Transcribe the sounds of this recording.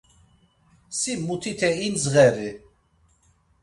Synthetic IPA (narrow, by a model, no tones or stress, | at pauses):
simut̪ʰit̪ʰɛinzɣɛvi